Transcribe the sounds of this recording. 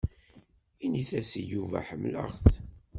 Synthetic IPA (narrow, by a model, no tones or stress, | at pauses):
iniθæsijuvæ̰ħəmlə̰ʁθ